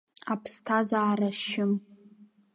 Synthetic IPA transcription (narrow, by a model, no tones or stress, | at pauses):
apʰstʰazaːɾaʃɪm